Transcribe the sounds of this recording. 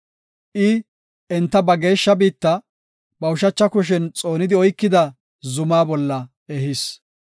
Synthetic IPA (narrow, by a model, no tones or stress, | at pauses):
ʔɪ | ɛnt̪ːɐbɐɡe̞ːʃːɐbiːt̪ːɐ | bɐʊʃɐt͡ʃːɐkʊʃ̬ɛnt͡sʼo̞ːnɪd̪ɪɔjkːɪd̪ɐ | zʊmaːbɔlːɐ | ɛhɪs